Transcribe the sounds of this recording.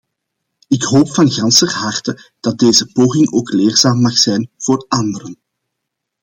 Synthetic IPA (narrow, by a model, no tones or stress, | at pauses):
ɪkɦoːpfɑnɣɑnsərɦɑrtəd̥ɑt̚deːzəpoːɣɪŋoːkleːrzaːmːɑxsɛjnv̥oːrɑnd̪əɾən